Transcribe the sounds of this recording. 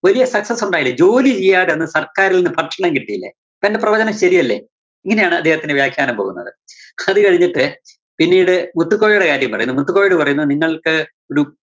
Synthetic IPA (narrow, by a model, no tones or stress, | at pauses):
ʋɐlijɐsɐksɐsuɳɖaːjilːɐd͡ʑo̞ːlit͡ɕejːaːɾe̞nːɨsɐrkaːɾilenːɨpɐʈʂɐɳɐmkiʈːijilːḛ | pendeprɐʋɐd͡ʑɐnɐmɕɐɾijɐlːḛ | iŋːɐnejaːɳɨɐ̰d̪ːeːhɐt̪ːindɨʋjaːkʰjaːnɐmpoːɣunːɐ̰ðɨɐðɨkɐɻiɲːiʈːɨ | pinːiːɽɨmut̪ːukːoːjijuɽekaːɾjɐmpɐrɐ̰junːumut̪ːukːoːjiɽɨpɐrɐjunːuniŋːɐɭkɨ | oɾu